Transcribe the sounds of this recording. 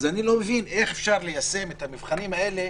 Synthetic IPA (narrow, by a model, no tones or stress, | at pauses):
zanilo̞mevine̞χefʃaʁle̞jase̞met̪amivχanimae̞le̞